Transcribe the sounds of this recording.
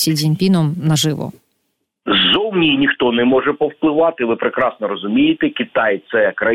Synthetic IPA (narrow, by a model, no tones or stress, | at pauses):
sʲizʲinʲpʲinɔmnɐʒɪʋɔ̰ | zɔwnʲinʲixt̪ɔnɛmɔʒɛpɔwplˠɪʋɑt̪ɪʋɪpɾɪkɾɑsnɔɾɔzʊmʲijɪt̪ɛkʲit̪ɑjt̪sɛkɾɐ